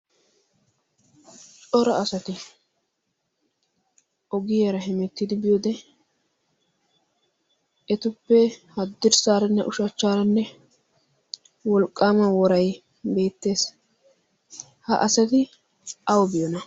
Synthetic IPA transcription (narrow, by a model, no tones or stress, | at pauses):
t͡ʃʼɔɾɐɐsɐt̪ɪ | ʔɔɡɪjɐɾɐɦɛmɛt̪ːɪd̪ɪbɪjoːd̪ɛ | ɛt̪ʊpːɛhɐd̪ːɪɾsaːɾɐnːɛ̰ʔʊʃɐt͡ʃːaːɾɐnːɛ | wɔlkʼːaːmɐwɔɾɐj | be̞ːt̪ːe̞ːs | hɐ̰ʔɐsɐt̪ɪ | ʔɐwbɪjɔnɐ